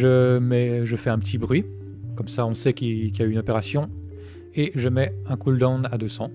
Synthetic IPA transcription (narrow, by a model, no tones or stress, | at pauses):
ʒəmɛʒəfɛɛ̃pət̪ʰibʁɥi | kɔmsaɔ̃sɛkikʲijayynɔpeʁasjɔ̃ | eʒəmɛɛ̃kuld̪ɑ̃nad̪øsɑ̃